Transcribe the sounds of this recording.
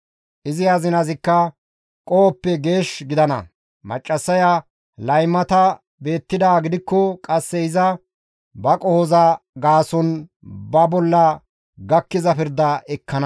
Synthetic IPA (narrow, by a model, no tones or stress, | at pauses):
ʔɪzɪɐzɪnɐzɪkːɐ | kʼoːpːɛɡe̞ːʃɡɪd̪ɐnɐ̰ | mɐ̰t͡ʃʼːɐsːɐjɐ | lɐjmːɐt̪ɐ | be̞ːt̪ːɪd̪aːɡɪd̪ɪkːɔkʼɐsːɛɪzɐ | bɐkʼɔhɔzɐɡaːsɔn | bɐbɔlːɐ | ɡɐkːɪzɐpɪɾd̪ɐɛkːɐnɐ